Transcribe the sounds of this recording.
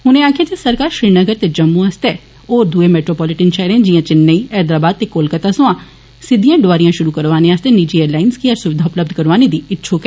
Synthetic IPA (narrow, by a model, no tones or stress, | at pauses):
ɦʊnẽaːkʰjaːd͡ʒesəɾkaːɾʃɾiːnəɡəɾt̪eːd͡ʒəmːũːəst̪ɛː | oːɾd̪ueːmɛːʈɾoːpɔːlɪʈənʃɛːɾẽd͡ʒiːãːt͡ʃɪnːeiːɛːd̪ɾaːbaːd̪̚t̪eːkoːlkət̪aːsʊãː | sɪd̪ijãːɖoʋaːɾijãːʃʊɾuːkəɾʋaːneːaːst̪eːniːd͡ʒiːeːɾlaːɪnskiːəɾsʊʋɪd̪ʱaːʊpləb̚d̪ʱkəɾʋaːneːd̪iːɪtːʃʰoːkɛ